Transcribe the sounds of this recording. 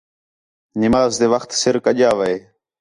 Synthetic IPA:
nɪmaːzd̪eːʋəxt̪sɪɾkəʄaːʋəeː

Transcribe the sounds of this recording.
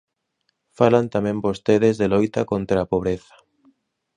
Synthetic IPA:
falant̪amẽmbost̪eðezðelojt̪akont̪ɾaaːpoβ̞ɾeθḁ

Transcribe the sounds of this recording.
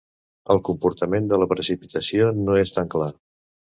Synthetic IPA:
əlˠkumpuɾt̪əmend̪ələpɾəsipit̪əsionoest̪aŋkla

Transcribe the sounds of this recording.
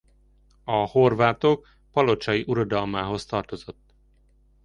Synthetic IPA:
ɒho̞rvaːt̪ok | pɒlo̞t͡ʃɒjiʔuɾɒd̪ɒlmaːɦo̞st̪ɒrt̪o̞zo̞t̪ː

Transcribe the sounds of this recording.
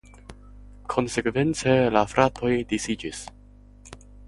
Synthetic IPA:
kʰo̞nse̞kve̞nt͡se̞lafɾʔatʰo̞jdisid͡ʒis

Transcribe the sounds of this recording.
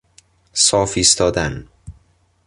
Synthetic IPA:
sɒːfiːst̪ʰɒːd̪æn

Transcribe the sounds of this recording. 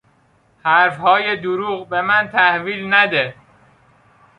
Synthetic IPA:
hæɾfhɒːjed̪oɾuːɣbe̞mænt̪ʰæhviːlnæd̪e

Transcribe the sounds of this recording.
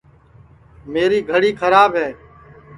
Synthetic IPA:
meːɾiːɡʱəɽiːkʰəɾaːbɦɛː

